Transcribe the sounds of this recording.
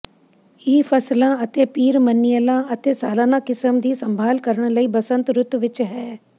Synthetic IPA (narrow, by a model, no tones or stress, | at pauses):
ɪpʰəslãːət̪eːpiːɾmənːɪjəlãːət̪eːsaːlaːnãːkɪsəmd̪iːsəmbʱaːlkəɾəɽ̃ləiːbəsə̃nt̪ɾʊt̪ʋɪt͡ʃɦɛː